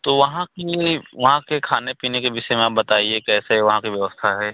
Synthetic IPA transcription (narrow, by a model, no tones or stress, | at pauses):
t̪oʋɐɦãkiʋɐɦãkekʰaːnepiːnekebɪʃemẽaːp̚bɐt̪aːiekɛːseɦʋɐɦãkiʋjɐʋəst̪ʰaɦɛː